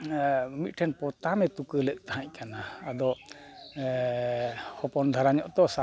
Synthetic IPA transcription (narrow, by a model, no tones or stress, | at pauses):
mit̪̚ʈʰɛnpɔt̪amɛt̪ukəlɛt̪̚ˀt̪aɦãʔkanaːd̪ɔ | hɔpɔnd̪ʱaɾaɲɔʔt̪ɔsa